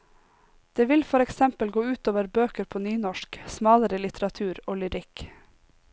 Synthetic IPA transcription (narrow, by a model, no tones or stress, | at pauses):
d̪̥eːʋɪlfɔɾɛksɛmpəlɡoːʉːt̪oːʋəɾbøːkəɾpʰoːnyːnɔʃksmɑːləɾəlɪt̪ʰəɾɑt̪ʰʉːɾoːlʏɾɪk